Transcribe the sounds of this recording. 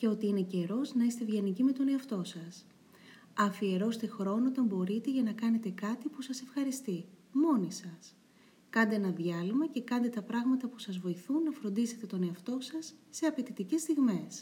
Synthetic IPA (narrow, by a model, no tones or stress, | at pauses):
ce̞o̞t̪iine̞ce̞ɾo̞znɐist̪e̞vʝenicime̞t̪o̞ne̞ɐft̪o̞sɐs | ɐfie̞ɾo̞st̪e̞xɾo̞noot̪ɐmbo̞ɾit̪e̞ʝɐnɐkɐne̞t̪e̞kɐt̪ipusɐse̞fxɐɾist̪imo̞nisɐs | kɐnd̪eenɐðʝɐlimɐce̞kɐnd̪e̞t̪ɐpɾɐɣmɐt̪ɐpu̥sɐzvo̞iθunːɐfɾond̪ise̞t̪e̞t̪o̞ne̞ɐft̪o̞sɐsːe̞ɐpe̞t̪it̪ice̞st̪iɣme̞s